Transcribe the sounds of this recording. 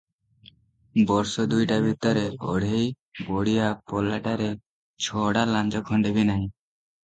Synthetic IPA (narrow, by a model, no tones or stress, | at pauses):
bɔɾsɔd̪ujʈabʱit̪ɔɾɛɔ̰ɽej | bɔɽijapɔlaʈaɾɛ | t͡ʃʰɔɽalãɲd͡ʒɔkʰɔɳɖɛbinaɦĩ